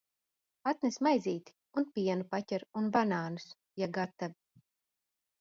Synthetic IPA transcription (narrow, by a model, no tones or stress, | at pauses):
at̪nɛsmajziːt̪i̥ | unpiɛnupatʲɛɾunbanaːnus | jaɡat̪ːavi